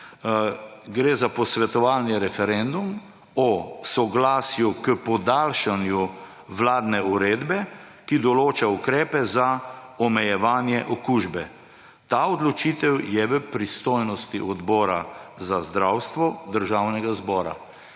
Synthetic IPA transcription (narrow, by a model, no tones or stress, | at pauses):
ɡɾeːzapɔsʋɛt̪ɔʋalniɾɛfɛɾɛnd̪um | ɔsɔɡlaːsjukəpɔd̪aːlʃanju | ʋlaːd̪nɛuɾeːd̪bɛ | kid̪ɔloːt͡ʃaukɾɛːpɛzaɔmɛjɛʋaːnjɛʔɔkuːʒbɛ | t̪aːɔd̪lɔt͡ʃiːt̪ɛwjɛʋəpɾist̪ojnɔst̪iʔɔd̪bɔːɾa̰zazd̪ɾawst̪ʋɔd̪əɾʒawnɛɡazbɔːɾa̰